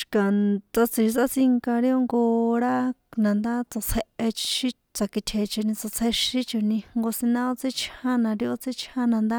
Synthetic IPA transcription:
ʃi̥˨ka˨t͡sa˧t͡si˧ʃi˧sa˦t͡si˧ŋka˧ɾi˦o˦ŋɡo˧ɾa˦nã˨nd̪a˦t͡so˧t͡sʰe˧ʔe˧t͡ʃʃi˧ | t͡sa˧ki˧t̪ʰe˨˧t͡ʃe˧nĩ˧t͡so˧t͡sʰe˧ʃĩ˦t͡ʃo˧nĩ˧ŋŋɡo˧sĩ˧nã˦o˦˧t͡se˦t͡ʃʰhã˦nã˧ɾi˧o˧t͡se˦t͡ʃʰã˦nã˧nd̪a˦

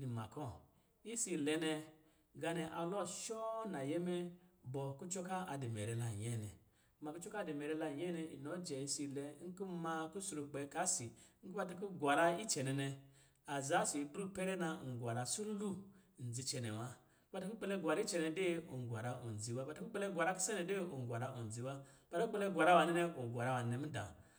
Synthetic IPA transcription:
ni˨ma̰˨kɔ˦˨ | i˦si˧˨lɛ˧nɛ˧ | ɡa˧nɛ˧ʔa˧lɔ˦˨ʃɔ˦na˨jɛ˦mɛ˦bɔ˨ku˦t͡ʃɔ˦ka˦a˧de˨mɛ˨ɾɛ˧la˨ɲɛ˦˨nɛ̰˨˦ | ma˧ku˦t͡ʃɔ˦ka˦˨de˨mɛ˨ɾɛ˧la˧˨ɲɛ˦nɛ˧ḭ˨nɔ˨˦d͡ʒɛ˨i˧˦si˧˨lɛ˧˦ŋ̩˦ku˦ma˧ku˦su˧ɾu˧k͡pɛ˨˦ka˨˦si˨ŋ̩˦ku˦ba˧ta˧ku˦ɡwa˨ɾa˧i˦t͡ʃɛ˨nɛ˨nɛ˧ | a˨za˦si˨˦bɾu˦pe˦ɾɛ˦na˧˨ɡʷa˨ɾa˨su˦lu˦˨n̩˨d͡zi˧t͡ʃɛ˨nḛ˨wa˦ | ba˧ta˦ku˦k͡pe˧le˦ɡʷa˨ɾa˦i˦t͡ʃɛ˧nɛ˧˦de˦o̰˨ŋ˨ɡʷa˨ɾa˨˦ʔo̰˨n˨d͡zi˨wa˦ba˨ta˦ku˦k͡pe˦le˦ɡʷa˨ɾa˦ku˦se˦nɛ˧de˦o˨ŋ˨ɡʷa˨ɾa˧ʔo˨n˨d͡zi˨˦wa˦b̥a˨a˦u˦k͡pe˧le˦ɡʷa˨ɾa˦wa˨ne˦nɛ˧o˨ɡʷa˨ɾa˧˦wa˨n˨nɛ˦m̩˦da̰˨

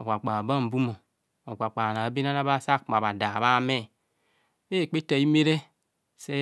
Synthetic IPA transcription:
o̰˨ka˨k͡pa˨ba˦˨m̩˨bu˦mo˨ | o˨k͡pʷa˨k͡pa˨na˨˦be˦na˦na˦ba˦sa˦kma˨ba˨da˨βa˦me˦˨˦ | be˦˨k͡pe˦ta˨i˦me˦ɾe˦ | se˦

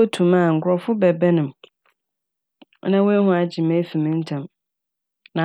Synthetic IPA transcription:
o˦tʰũ˨mã˦˨ŋ̩˨kʰʊ˨ɾɔ˨fʊ˦bɛ˨bɛ˦nɪ̃˨m˦ | nã˦wo˦e˦ɦʊ̃˦a˨d͡ʑɪ˨mɛ̃˦fi˨mɪ̃˦n̩˦tʰã˨m | nã˨

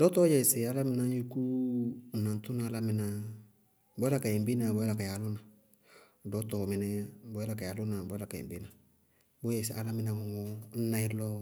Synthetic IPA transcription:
dɔ˦tɔ˦jɛ˨sɪ˨a˦la˦mɪ˦na˦u˦ku˦˨nã˨n˨tu˦na˦la˦mɪ˨na˧ | bɔ˦la˦˨ka˨ɛ˨m˨bi˦na˨bɔ˦ɛ˦la˨ka˨ja˨˦lʊ˦na˨ | dɔ˦tɔ˨mɪ˨nɛ˦bɔ˨˦ɛ˦la˨ka˨ja˨lʊ˦na˨bɔ˨˦la˨ka˨ɛ̰˨bi˦na˨ | bo˦jɛ˨sɪ˨ʔa˨la˦mɪ˦nã˧ŋɔ˨ŋɔ˦n̩˦na˦i˦lɔ˦

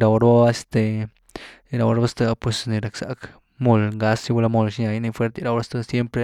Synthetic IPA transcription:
ɾa˧o˧ɾba˦a˦e˧˦st̪e˨˧ | ɾa˨wɾa˦ba˦st̪a˧pwe˨sni˧ɾa˨ksa̰˨k | mo˧lŋɡa˧˦si˧˦wa˧la˧mo˧lʃa˧jni˧fwe˦ɾt̪e˧ɾa˧wɾa˦st̪a˧sje˦mpɾe˦˧

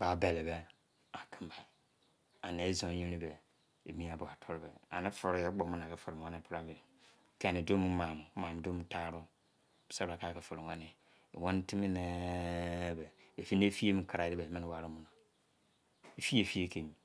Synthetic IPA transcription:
ba˨˦bɛ˨lɛ˨bɛ˦ | a˨kʰɪ̃˦ba˨ | a˨ne˨˦zɔ̃˨˦ɲĩ˦ɾi˦bɛ˨ | e˨mĩ˦a˨bʊ˨a˨tʰɔ˦ɾbɛ˨a̰˨nɪ̃˦fɔ˨ɾjɛ˦ɡ͡bɔ˨mũ˦nã˨kɛ˨fɔ˨ɾã˦nɪ˦pɾa˦be˨ | kʰɛ˦˨nɪ˨do˦m˦mã˨m˨˦mã˨m˨do˦m˦tʰa˦ɾʊ˦˨ | sa˦˨a˨ka˦kɛ˨fʊ˨ɾwã˦nɪ̰˨ | wɔ̃˦n˦tʰi˦mi˦nɛ˦ | bɛ˨e˨fi˦ne˦fi˦e˦m˨˦kʰa˨ɾa˨dɪ˦bɛ˨mɪ̃˦n˦wa˨ɾʊ˦mũ˨nã˨ | e˨fi˦e˨fi˦e˦kʰẽ˨ɲ˨

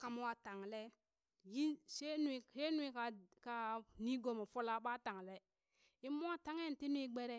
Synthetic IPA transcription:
ka˨mo˦wa˨ta˨ŋ˨le˦ | ji˦se˦nu˦i˨se˦nu˦i˦ka˨ka˨ni˦ɡo˨mo˨fo˦la˦ɓa˦ta˨ŋ˨le˦ | i˦mo˦a˦ta˦ŋe˦˨n˨ti˦n˦i˦ɡ͡be˦ɾe˦

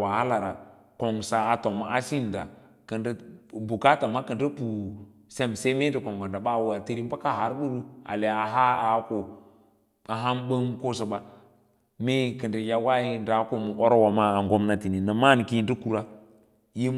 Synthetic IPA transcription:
wa˨ha˦la˨ɾa˨ | ko˨ŋsa˨a˨to˨ma˨ʔa˦si˦n˨da̰˨ | kə˨ndə˦bu˨ka˦ta˨ma˦kə˨ndə˦pu˨ | se˦mse˦me˦də˨ko˨ŋɡa˨nda˨ɓa˦˨wu˦˨a˨ti˦ɾi˦m˦ba˦ka˦˨ɦa˨˦ɾɗu˦ɾu˦a̰˨le˨a˨ɦa˦a˨˦ko˨ | a˨ɦa˦mbə˦ŋko˦so˨ba˨ | me˦˨kə˨ndə˨ja˦wa˦ji˦˨nda˨˦ko˨mu˨ʔo˦ɾo˦wa˨ma˦a˨ŋɡo˦mna˦ti˨ni˨na˨ma˦n˨ki˦˨ndə˦ku˨ɾa˦ | ji˦

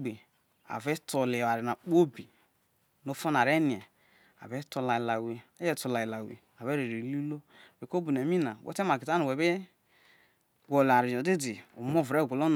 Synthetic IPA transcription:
ɡ͡be˨ | a̰˨ve˦to˨le˨wa˨ɾi˨na˨k͡po˦bi˨ | no˦fo˦na˨ɾe˦ni˨ɛ˨ | a̰˨ve˦to˧˨la˨i˨la˨we˨˦jɛ˦to˨la˨i˨la˨wḭ˨ | a˨βe˦ɾi˨ɾi˨lu˦lo˦˨be˨ko˦bu˨n˨e˨mi˦na˨wɛ̰˦te˦ma˨ɡi˨ta˦nu˨we˨be˦ | ɡo˨la˨ɾi˨jo˨di˦di˨o̰˨m˦o˦˨vɾe˦˨ɡʷo˨lo˦n˨

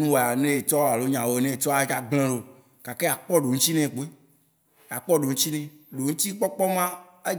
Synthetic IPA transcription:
nũ˦wo˨a˨nẽ˦e˨t͡ʃɔ˦a˨lo˦ɲã˨wo˨nẽ˦e˨t͡ʃɔ˦a˨d͡ʒa˦ɡ͡blẽ˦ɖo˨ | ka˨ke˦a˨k͡pɔ˦ɖo˨ŋ̩̃˦t͡ʃi˦nɛ̃˨k͡po˦e˦ | ja˨k͡pɔ˦ɖo˨ŋũ˦t͡ɕi˦nɛ̃˦˨ɖo˨ŋũ˦t̪i˦k͡pɔ˦k͡pɔ˦mã˦ | e˦

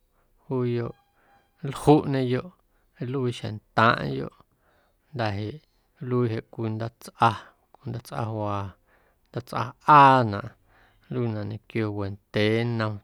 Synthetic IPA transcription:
huː˦jo˧ʔ | lhu˦ʔɲẽ˧jo˨ʔ | e˦lu˦i˧ʃḛ˨nt̪ãː˦ʔjo̰˧ʔ | nd̪a˨ɦe˨ʔ | lu˦i˧ɦe˨ʔkʷi˧nd̪a˦t͡sʔa˧ | kʷi˧nd̪a˦t͡sʔa̰˧hwaː˨˧ | nd̪a˦t͡sʔa̰˧ʔaː˦nã̰˧˨ʔ | lu˦˧nã˧˨ʔɲẽ˨kjo˧we˨nt̪eː˨˦nə̃˧m

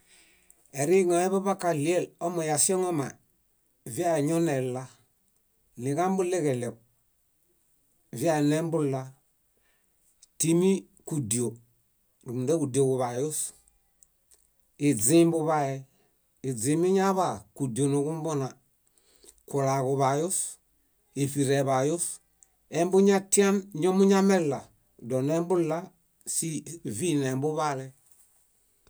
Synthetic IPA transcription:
e˨ɾi˦ŋo˨e˦βa˦ba˦ka˨li˦e˦˨lo˦mo˨ja˨si˦o˦ŋo˦ma̰˨ | vi˦a˦˨ɲo˦ne˨la˦ | ni˨ɡa˦m˦bu˦le˦ke˨le˨k̚ | vi˦a˨ne˦m˦bu˦la˦ | ti˦mi˦ | ku˨di˨o˨ | ɾu˨m˨de˦ku˨do˨ku˨βa˨jo˦s | i˨zĩ˦mbu˦βa˦jɛ˨ | i˨zi˨mi˦ɲa˦βa˨ku˨di˨o˨nu˨ɡu˦m˦bo˦na˨ | ku˨la˨ku˨βa˨ju˦s | e˨fi˨ɾe˨βa˨ju˦s | e˦mbu˦ɲa˦ti˦a˦nɲo˦mu˦ɲa˦me˦lːa˨ | do˨ne˦mbu˦lːa˦ | si˦vi˦ne˨mbu˦βa˦lɛ˦

